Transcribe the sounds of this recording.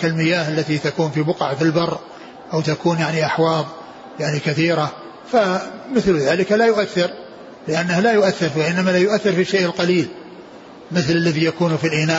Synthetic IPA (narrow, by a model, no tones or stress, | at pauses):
kalmɪjaːhalːat̪it̪akuːnfibʊqʕfilbɑrˤː | ʔawt̪akuːnjaʕniʔaħwɑːðˤ | jaʕnikaθiːɾa | famɪθlðaːlɪkalajʊʔaθːɪɾ | lɪʔanːahlajʊʔaθːɪɾwaʔɪnːamalajʊʔaθːɪɾfiʃeːʔɪlqɑliːl | mɪθlalːaðijakuːnfilʔɪnaː